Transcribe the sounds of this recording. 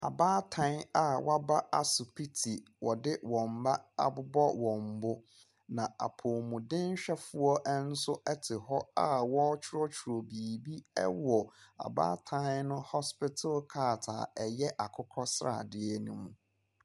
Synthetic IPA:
a̰˨baː˦tʰã˦n˦a˨wa˦ba˦ʔa˨sʊ˨pʰi˦tʰi˨ | wɔ˨dɪ˦wɔ̃˨m̩˨ba˦a̰˨bʊ˦bɔ˦wɔ̃˨m̩˨bʊ˦ | nã˨a̰˨pʰʊː˨mʊ̃˨dɪ̃˦n˦ɕᶣɛ˦fʊ˦ɔ˦ʔɛ˦n̩˦sʊ˦ʔɛ˦tʰɪ˨hɔ˦a˦wɔ˦t͡ɕʰɪ˦ɾɔ˦t͡ɕʰʊ˨ɾo˨biː˨bi˦ɛ̰˦wɔ˨a̰˨ba̰ː˦tʰã˦n˦nʊ̃˦hɔ˦spɪ˦tʰʊ˦lkʰa˦˨tʰa̰˨ɛ˨jɛ˦ʔa˨kʰʊ˦kʰɔ˦sɾa̰˨dɪ˦ɛ˦nũ˦mũ˨

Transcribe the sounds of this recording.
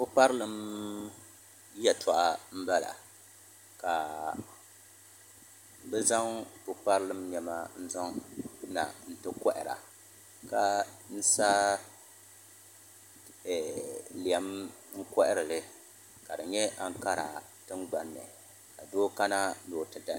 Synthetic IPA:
ʊ˦k͡pa˦ɾɨ˦lɨ˦m | jɛ˨tʰɔ˨ʔa˦m̩˦ba˦la̰˨ | ka˨ | bɨ˦za˦ŋʊ˦k͡pa˦ɾɨ˦lɨ˦mɲɛ˨ma˦n̩˦zɔ˦ŋna̰˨n̩˨tɨ˦kɔ˦ʔɪ˨ɾa̰˨ | ka˦n̩˦sa˦˨ | li˨ɛ˦mŋ̩˦kɔ˦ʔɪ˦ɾɨ˨lɨ˦ | ka˨dɨ˨ɲɛ˦ʔa˦˨ŋ˦ka˦ɾa̰˨ | tɨ˦ŋɡ͡ba˨nːɨ̰˨ | ka˨doː˦ka˦na˦noː˨tɨ˨da˨

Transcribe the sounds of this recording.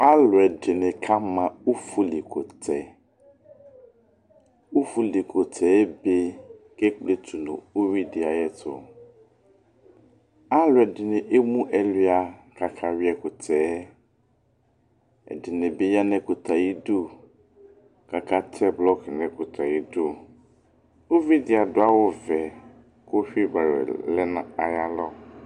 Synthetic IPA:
a˦lʊ˨ɛ˨dɪ˨nɪ̃˨kʰa˦mã˨u˦fu˦li˨kʰʊ˨tʰɛ˨ | u˦fu˦li˨kʰʊ˨tʰɛː˦be˦ | ke˦k͡ple˦tʰu˨nʊ̰̃˨o˦wi˦dɪ˨a˨jɛ˨tʰʊ̰˨ | a˦lʊ˨ɛ˨dɪ˨nɪ̃˨ʔe˦mũ˦ʔɛ˨lɪ˦a˨ka˨kʰa˦wi˦ɛ˨kʊ˨tʰɛː˦ | ɛ̰˨dɪ˨nɪ̃˨be˦ja˦nɛ̃˦kʊ˨t̪ʰa˨ji˦du˦ | ka˨kʰa˦tʰɛ˦blɔ˦knɛ̃˨kʊ˨t̪ʰa˨ji˦du˦ | o˦vi˦dɪ˨a˨dʊ˦a˦wʊ˦vɛ˨ | kʊ˦ɸᶣi˦ba˨ɾ̰lɛ˦na˦a˨ja˦lɔ˦

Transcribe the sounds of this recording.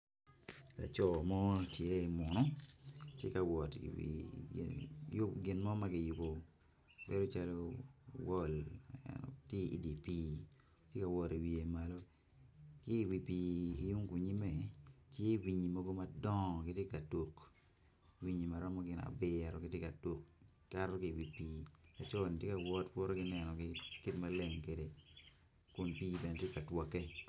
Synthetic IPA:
la̰˨t͡ʃɔ˨mɔ˦tje˦i˨mɔ˨nɔ˦tjḛ˦ka˨wɔ˨tiwḭ˨ | jɡɪ˨nmɔ˦ma˦ɡɪ˨jʊ˨bo˨ | be˦ɾo˦t͡ʃa˦lo˦wɔ˦˨lɛ̰nɔ̰te˦i˨di˨pi˦ | tje˦ka˨wɔ˨ɾi˨wi˨e˨ma˨lo˦ | kɪ˦i˨wi˨pi˨i˦ju˦ŋku˨ɲi˦mɛ˨tje˦˨wi˨ɲi˨mɔ˦ɡo˦ma˦dɔ˦ŋ˨kɪ˦tje˦ka˨to˨k | wi˦ɲi˨ma˨ɾɔ˦mɔ˦ɡɪ˦na̰˨bɪ˦˨ɾɔ˨kɪ˦tje˦ka˨to˨k | ka˦ɾɔ˦kɪ˦˨wi˨pi˨a˨t͡ʃɔ˦ni˨tje˦ka˨wɔ˦tpɔ˦ɾo˦ɡɪ˦nɛ˨nɔ˨ɡɪ˦ki˦tma˦le˦˨ŋke˨de˨ | kʊ˨npi˦bɛ˨ne˨tje˦ka˨twɔ˨ke˦

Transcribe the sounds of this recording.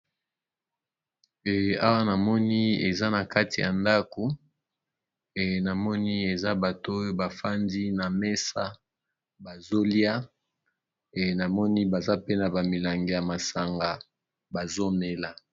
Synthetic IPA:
ɛ˨a˦wa˦na˨mɔ˦ni˦e˨za˦na˨ka˦ti˨ja̰˨nda˦ko˨ | na˨mɔ˦ni˦e˨za˦ba˨to˦jo˦ba˨fa˦ndi˦na˨me˦sa˦ | ba˨zo˦li˦a˦˨ | na˨mɔ˦ni˦ba˨za˦pe˦na˨ba˨mi˨la˨ŋɡe˨ja˨ma˨sa˨ŋɡa˨ | ba˨zo˦me˦la˨

